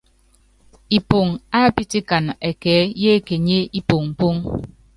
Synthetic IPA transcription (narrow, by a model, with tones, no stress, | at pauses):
i˨po˨ŋa˦pi˦ti˦ka˨ne˨kɛː˨˦je˦ke˨ɲe˦i˦po˨ŋm̩˨po˦ŋ